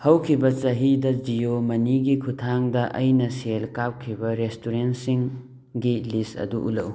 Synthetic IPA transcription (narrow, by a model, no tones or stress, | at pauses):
hɐwkʰibɐt͡ʃɐɦidɐd͡ʒijomɐniɡikʰutʰaŋdɐʔɐjnɐselkap̚kʰːibɐɾestuɾensiŋ | ɡilistɐ̰duʔṵlɐ̰w